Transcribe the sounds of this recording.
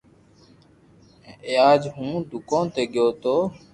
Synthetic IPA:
eːaːd͡ʒɦũːd̪ʱʊkõːt̪eːɠɪjoːt̪oː

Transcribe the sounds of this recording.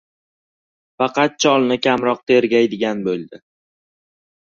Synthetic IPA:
fɑqɑt̪̚t͡ʃʰɒlˠnɪkʲʰamɾɒq̚t̪ʰe̞ɾɡʲajd̪ɪɡʲanbolˠd̪ɪ

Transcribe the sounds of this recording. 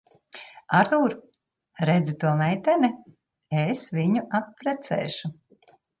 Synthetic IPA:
aɾt̪uːɾ | ɾɛd̪zit̪uɔmɛjt̪ɛni | esviɲuʔapːɾɛt̪sɛ̰ːʃu

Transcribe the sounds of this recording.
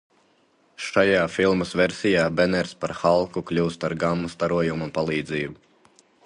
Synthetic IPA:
ʃajaːfilˠmɐsveɾsʲijaːbɛnɛɾspaɾxalˠkuklʲuːst̪aɾɡamːust̪aɾuɔjumupalˠiːd̪ziːbu

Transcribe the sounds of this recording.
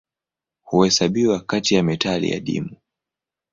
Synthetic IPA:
huhɛsaɓiwakatijamɛtalḭja̰ɗḭmu

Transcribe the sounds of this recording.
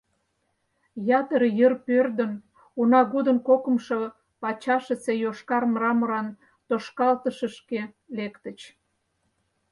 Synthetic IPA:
jɑt̪əɾjərpørd̪ən | unɑɣud̪ənkokə̆mʃo | pɑt͡ɕɑʃət͡sejoʃkɑrmrɑməɾɑn | t̪oʃkɑlt̪əʃə̆ʃke | lekt̪ə̆t͡ɕ

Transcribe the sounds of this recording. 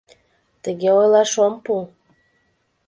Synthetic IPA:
t̪əɣeojlɑʃompul

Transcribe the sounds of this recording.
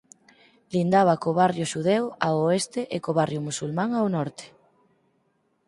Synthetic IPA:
lind̪aβɐkoβarjʊʃuðewaoest̪eʔekoβarjʊmusulmãŋawnɔɾt̪e̥

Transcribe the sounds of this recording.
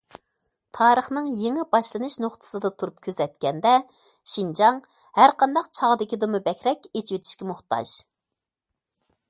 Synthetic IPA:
t̪ʰɑːɾəχnɨŋjeŋɪbɑʃlˠɨnɨʃnoχt̪ʰɨ̥sɨd̪ɑt̪ʰuɾup̚kʲʰøzɛt̪̚kʲɛnd̪ɛ | ʃind͡ʒɑŋ | hæɾqʰɑnd̪ɑqt͡ʃʰɑʁəd̪ɪkʲid̪ɨmɨbɛkʲɾɛkʲet͡ʃʰivet̪ʰɪ̥ʃkʲɛmoχt̪ɑ̰ʒ̥

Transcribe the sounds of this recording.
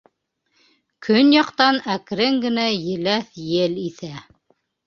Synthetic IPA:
kʰɵnjɑqt̪ɑnækɾɘŋɡɘ̆næjɘ̆læθjɘliθæ

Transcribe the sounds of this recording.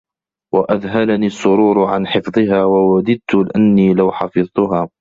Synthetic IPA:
waʔaðɦalaniːsˤːʊɾuːɾʊʕanħɪfðˤɨɦaːwawad̪ɪd̪̚t̪ʊlɪʔanːiːlawħɑfɨðˤt̪ʊɦaː

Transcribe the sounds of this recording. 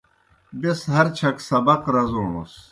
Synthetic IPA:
besɦɐɾt͡ɕʰɐksɐbɐqɾɐzuːɳṵs

